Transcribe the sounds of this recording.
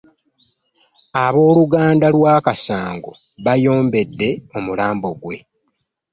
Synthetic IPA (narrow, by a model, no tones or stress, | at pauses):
aβo̞ːluɡaːndalwaːkasaːŋɡo̰ | βajo̞ːmbe̞dːe̞o̞mulaːmbo̞ɡwe̞